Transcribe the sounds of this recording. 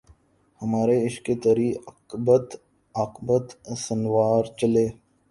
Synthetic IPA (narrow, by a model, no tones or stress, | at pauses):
hɐmaːɾeɪʃket̪əɾiː | bət̪ | ɐqbət̪sənwaːɾt͡ʃəleː